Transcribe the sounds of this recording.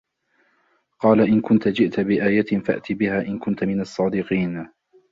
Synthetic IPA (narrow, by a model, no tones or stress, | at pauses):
qɑːlaʔɪnkʊnt̪ad͡ʒɪʔt̪abɪʔaːjat̪ɪfa̰ʔt̪ɪbɪhaːʔɪnkʊnt̪amɪnɑsˤːɑːd̪ɪqiːn